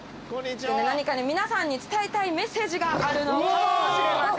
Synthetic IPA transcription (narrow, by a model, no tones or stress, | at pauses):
nenaɲ̟ikaɲemʲinasãɲ̟ːit͡sɨ̥t̪aet̪aime̞se̞ːʑiɡaaɾɯ̟noɕiɾemas